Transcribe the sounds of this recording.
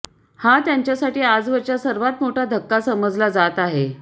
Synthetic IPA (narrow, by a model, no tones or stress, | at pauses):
hat̪jaɲt͡ɕjasaʈiːad͡zʋəɾt͡ɕjasəɾʋat̪moʈʰad̪ʱəkːasəməd͡zlad͡zat̪aɦe